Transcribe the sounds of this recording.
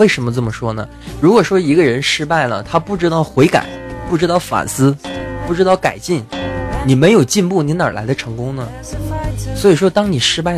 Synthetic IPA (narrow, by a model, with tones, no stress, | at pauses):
e˥˩ɪʂə˧˥nmə˧t͡sə˥˩mə˩ʂwɔ˥nə˨ | ɻu˧˥kwɔ˨˩ʂwɔ˥i˧˥ɡə˧ɻə˧˥nʂɻ̩˥pa˥˩ɪlə̰˩t̪ʰa˥pu˥˩ʈ͡ʂɻ̩˥t̪ɑ˥˩ʊxwe˧˥ɪka̰˨˩˦ɪpu˥˩ʈ͡ʂɻ̩˥t̪ɑ˥˩ʊfa̰˨˩sɹ̩˥pu˥˩ʈ͡ʂɻ̩˥t̪ɑ˥˩ʊka̰˨˩ɪt͡ɕi˥˩nni˨˩me˧˥ɪjo˨˩ʊt͡ɕi˥˧npu˥˩ni˧˥nə̰˞˨˩la̰˧˥ɪd̪ə˧ʈ͡ʂʰɤ˧˥ŋkʊ˥ŋnə˨ | swɔ˧˥i˨˩ʂwɔ˥t̪ɑ˥ŋni˨˩ʂɻ̩˥pa˥˩ɪ